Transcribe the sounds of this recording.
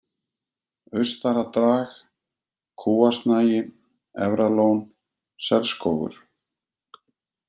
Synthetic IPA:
ʏ̥st̪aɾat̪ɾaːx | kʰuːast̪naːjɪ | ɛvɾaloːwn | sɛlskoːwɣʏ̰ɾ̥

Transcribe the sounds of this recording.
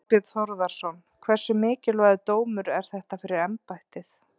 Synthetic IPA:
pɪt̪θɔɾðaɾ̥sɔn | kʰvɛɾ̥sʏmɪːcɪlvaðʏt̪oːwmʏɾɛɾ̥θɛht̪afɪɾɪɾɛmpajht̪ɪθ

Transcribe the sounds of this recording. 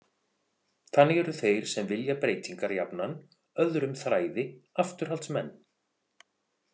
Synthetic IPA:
θanːɪɣɛɾʏθejɾ̥sɛmvɪljapɾeːjt̪iŋkaɾjapnan | œðɾʏmθɾaːjðɪaft̪ʏɾ̥ɦalsmɛnː

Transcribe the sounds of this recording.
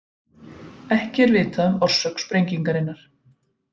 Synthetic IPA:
ɛhcɪɛɾvɪːt̪aʏmɔr̥sœkspɾejɲciŋkaɾɪnːaɾ̥

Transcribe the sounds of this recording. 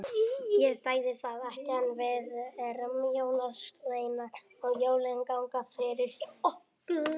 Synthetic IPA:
jɛsaːjðɪθaðɛhcɪhanːvɪðɛrmjownaskleːjna | ɔɣjoːwlɛŋkawŋkafɪɾɪɾɔh | k

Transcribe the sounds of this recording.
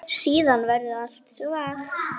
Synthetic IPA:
siːðanvɛɾðʏal̥t̪sɔvax

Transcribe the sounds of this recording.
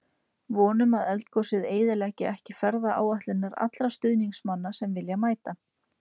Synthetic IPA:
vɔːnʏmaðɛlt̪kɔsɪðeːjðɪlɛcɪɛhcɪfɛɾðaʔa̰ːwaht̪lɪnːaɾa̰t̪lɾast̪ʏðniŋsmanːasɛmvɪljamaːjt̪a

